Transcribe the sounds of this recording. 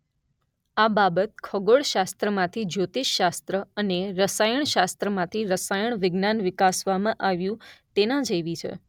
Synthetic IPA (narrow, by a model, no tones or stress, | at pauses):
ababət̪̚kʰəɡoɭʃast̪ɾəmãt̪ʰid͡ʒot̪iʃːast̪ɾəəneɾəsajəɳ̃ʃast̪ɾəmãt̪ʰiɾəsajəɳ̃ʋɪɡnanʋɪkasʋamãʔaʋjũt̪enãd͡ʒəjʋit͡ʃʰḛ